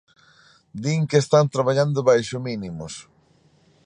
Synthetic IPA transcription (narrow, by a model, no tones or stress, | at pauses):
d̪iŋkeːst̪ant̪ɾaβaʎand̪ʊβajʃʊminimʊs